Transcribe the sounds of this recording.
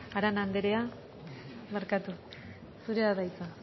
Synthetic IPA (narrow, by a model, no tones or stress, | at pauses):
aɾanand̪eɾea | meɾkat̪u | suɾeaðajt͡sa